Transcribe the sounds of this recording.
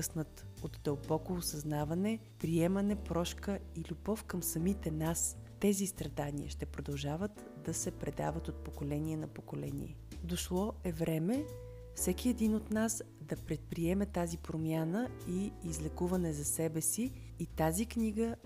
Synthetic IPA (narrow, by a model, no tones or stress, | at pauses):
ɤsnət̪ot̪d̪əlˠbɔkoːsɐznavɐnɛ | pɾiɛmɐnɛpɾɔʃkəilʲubɔfkəmsɐmit̪ɛnast̪ɛzist̪ɾɐd̪aniə̰ʃt̪ɛpɾod̪ɐlˠʒavət̪ | d̪ɐsɛpɾɛd̪a̰vət̪ot̪̚pokolɛniɛnɐpokolɛ̰nḭɛ | d̪oʃlˠɔɛvɾɛmɛ | fsɛkiɛd̪inot̪nas | d̪ɐpɾɛt̪̚pɾiɛmɛt̪azipɾomjanəiːzlɛkuvɐnɛzɐsɛbɛsiː | t̪azikniɡə